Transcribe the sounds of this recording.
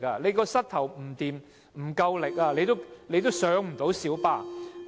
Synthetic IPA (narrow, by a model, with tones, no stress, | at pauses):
aː˧le˨˧jkɔː˧sɐ˥t̚t̪ʰɐ˨˩wm̩˨˩t̪iː˨m | m̩˨˩kɐ˧wlɪ˨k̚aː˧le˨˧jt̪o˥wle˨˧jt̪̬o˥wsœː˨˥ŋm̩˨˩t̪o˨˧˥wsiː˨˥wpaː˧